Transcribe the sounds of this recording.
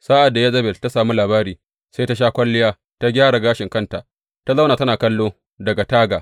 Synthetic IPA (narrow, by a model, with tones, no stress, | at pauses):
saː˦ʔa˨dːa˨ja˦zɐ˦bɛ˨lta˦saː˨mi˦laː˨baː˦ɾiː˨ | se˦jta˦ʃ̬aː˦kʷɐ˦lːɪ˦jaː˦ | ta˦ɡʲaː˦ɽa˨ɡaː˦ʃɪ˨ŋkɐ˦nta˨ʔ | ta˦zɐ˦wnaː˨tɐ˦naː˨kɐ˦lːoː˦ | dɐ˨ɡa˨taː˦ɡaː˨